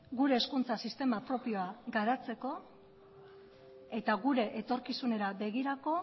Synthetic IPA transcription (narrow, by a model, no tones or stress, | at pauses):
ɡuɾe̞ːskunt͡sasist̪e̞mapɾo̞pio̞aɡaɾat͡se̞ko̞ | e̞t̪aɣuɾe̞ʔet̪o̞ɾkisune̞ɾabe̞ɣiɾako̞